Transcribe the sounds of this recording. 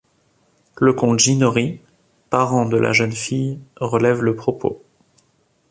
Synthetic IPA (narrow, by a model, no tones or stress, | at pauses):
ləkɔ̃t̪ʒinɔʁi | paʁɑ̃d̪əlʔa̰ʒənfijʁəlɛvləpχɔpʰo̰